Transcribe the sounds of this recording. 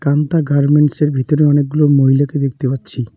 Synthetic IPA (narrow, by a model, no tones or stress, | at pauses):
kant̪aɡaɾmeɳʈseɾbʱit̪oɾeɔnek̚ːɡulomoɦilaked̪ek̚ʰt̪epatːɕʰi